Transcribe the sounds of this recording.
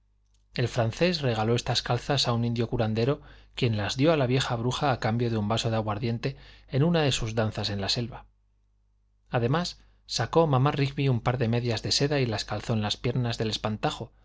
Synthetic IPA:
e̞lfɾan̟θesre̞ɣ̞alo̞e̞st̪askalθasaunĩnd̪jo̞kuɾand̪e̞ɾo̞kje̞nlazðjo̞alaβje̞xaβɾuxaːkambjo̞ðeumbaso̞ðaɣwaɾðje̞nt̪e̞enunaðe̞suzðanθase̞nlase̞lβa | aðe̞masː | ako̞mãmarikβiumpaɾðe̞me̞ðjazðe̞se̞ðailaskalθo̞enlaspje̞ɾnazðe̞le̞spant̪axo̞

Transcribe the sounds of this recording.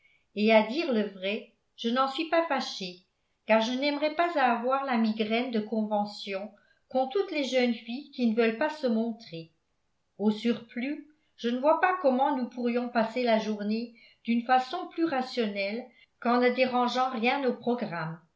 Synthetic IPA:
ead̪iːʁləvʁɛ | ʒ̥ənɑ̃sɥipafaʃe | kaʁʒənɛmʁɛpazaːvwaːʁlamiɡʁɛnd̪əkɔ̃vɑ̃sjɔ̃ | kɔ̃t̪ut̪lɛʒœnfijkinəvœlpasəmɔ̃t̪χe | osyʁply | ʒ̥ənəvwapakɔmɑ̃nupuʁjɔ̃paselaʒuʁne | d̪̥ynfasɔ̃plyʁasjɔnɛl | kɑ̃nəd̪eʁɑ̃ʒɑ̃ʁjɛ̃nopχɔɡʁam

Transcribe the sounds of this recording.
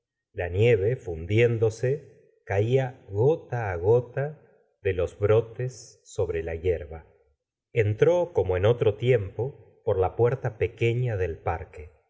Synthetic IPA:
lanje̞βe̞fund̪je̞nd̪o̞se | kaiaɣo̞t̪aːɣo̞t̪a | ðe̞lo̞zβɾo̞t̪esː | o̞βɾe̞lajeɾβa | ent̪ɾo̞ko̞moeno̞t̪ɾot̪je̞mpo̞ | po̞ɾlapweɾt̪apeke̞ɲaðe̞lpaɾke

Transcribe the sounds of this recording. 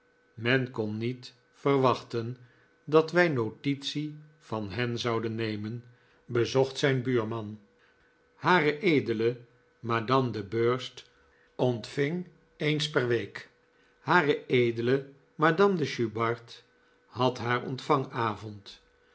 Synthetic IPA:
mɛnkɔnːit | fərʋɑχtən | dɑtʋɛjnotitsi | v̥ɑnɦɛnzɑwdənːejmən | bəzɔχtsɛjnbyːɹmɑn | haːrəʔejdələ | maːdɑmdəbøːɹst | ɔntfɪŋ | ejnspɛrʋejk | haːrəejdələ | maːdɑmdəʃybɑɹt | hɦɑtɦaːɹɔ̰ntfɑŋaːvɔnt

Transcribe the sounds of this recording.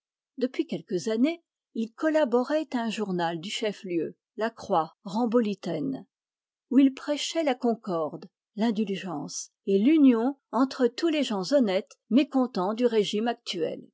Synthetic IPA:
d̪əpɥikʲɛlkəzane | ilkɔlabɔʁɛt̪aɛ̃ʒuʁnald̪yʃɛfljø | lakχwaʁɑ̃bɔlit̪ɛn | uilpχɛʃɛlakɔ̃kɔʁd̪ | lɛ̃d̪ylʒɑ̃s | elynjɔ̃ɑ̃t̪χət̪uleʒɑ̃zɔnɛt̪mekɔ̃t̪ɑ̃d̪yʁeʒimak̚t̪yɛ̰l

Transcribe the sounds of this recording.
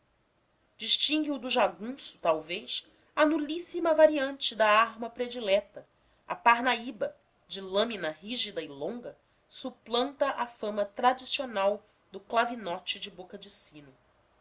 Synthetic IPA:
d͡ʒiʃt͡ʃĩŋɡiʊd̪ʊʒaɡũsʊ̥t̪awvejʃ | ɐnulisimɐvaɾiɐ̃nt͡ʃɪd̪ɐaɦmɐpɾed͡ʒilɛt̪ɐ | ɐ̰paɦnaibɐ | d͡ʒɪlɐ̃mĩnɐɦiʒid̪ɐilõŋɡɐ | suplɐ̃nt̪ɐʔafɐ̃mɐt̪ɾad͡ʒisionaw | d̪ʊklavinɔt͡ʃɪd͡ʒɪbokɐd͡ʒisĩnʊ

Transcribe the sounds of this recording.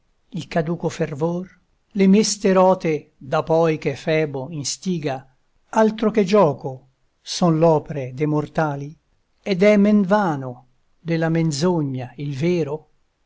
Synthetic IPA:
ilkad̪uːkofervor | lemest̪eɾɔːt̪ed̪apɔjk̟efɛːboinst̪iːɡa | alt̪ɾoked͡ʒɔːko | sɔnlɔːpeɾed̪emort̪aːli | ɛd̪ɛmenvaːno | d̪elːamenzoɲːailveːɾo

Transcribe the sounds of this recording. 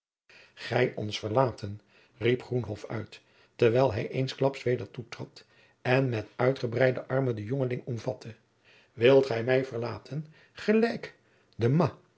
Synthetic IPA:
χɛjɔ̰nsfəɹlaːtən | ripχrunɦɔfœ̰ɥt | tːəɹʋɛjlˠɦɛjʔejnsklɑpsʋejdəɹtutrɑt | ɛnmɛtœɥtχəbrɛjdəʔɑɹmədəjoŋəlɪŋɔmvɑtʰə | ʋɪlˠtχɛjmɛjvəɹlaːtʰən | χəlɛjk | dəmɑ

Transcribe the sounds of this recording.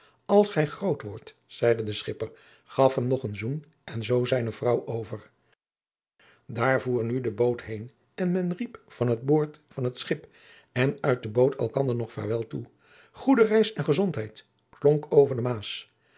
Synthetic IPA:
ɑlˠsχɛjχrowtʋɔɹt | z̥ɛjdədəsχɪpəɹ | χɑfɦɛmnɔχənzun | ʔɛnzowzɛjnəvrɑwʔowvəɹ | daːɹvuːɹnydəbowtɦejn | ɛnmɛnripfɑnɦəd̚boːɹtfɑnɦətsχɪp | ɛnœɥt̚dəbowtʰɛ̰lˠkɑndəɹnɔχfɛ̰ɹʋɛlˠtu | χudərɛjsɛnχəzɔntɦɛjt | plɔŋkʰowvəɹdəmaːs

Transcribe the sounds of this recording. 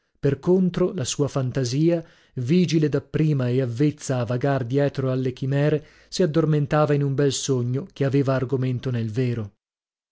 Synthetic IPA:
perkont̪ɾolasuːafant̪aziːa | viːd͡ʒiled̪apːɾiːmaeavːet̪sːaːvːaɡard̪jɛːt̪ɾoalːekimɛːɾe | siad̪ːorment̪aːvainumbɛlsoɲːokeaveːvaːrɡoment̪onelveːɾo

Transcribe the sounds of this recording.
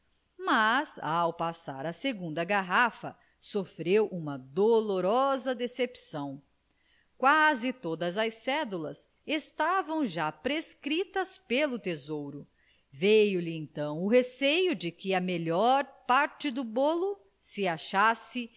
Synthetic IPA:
mazawpasa̰ɾɐseɡũnd̪ɐɡaɦafɐ̰ | sofɾewʔũmɐd̪oloɾɔzɐd̪esepsɐ̃w̃ | kwazɪt̪od̪ɐzɐsɛd̪ulɐs | est̪avɐ̃w̃ʒapɾeskɾit̪ɐspelʊt̪ezowɾʊ | vejʊlɪẽnt̪ɐ̃w̃ʊɦesejʊd͡ʒɪkɪɐmeʎɔɾpaɾt͡ʃɪd̪ʊbolʊ | sɪaʃasɪ

